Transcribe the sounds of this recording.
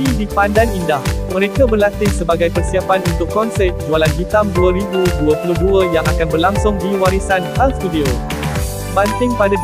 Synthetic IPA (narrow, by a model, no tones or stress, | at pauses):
idipandanindahmə̃ɾekabərlat̪ɪŋsəbaɡajpərsiapanunt̪ʊkːɔnsɛt̚d͡ʒualanɡit̪amduəɾibuduəpuluhduəjaŋakanbərlaŋsʊŋdiwaɾisanhalst̪udio | bant̪ɪŋpada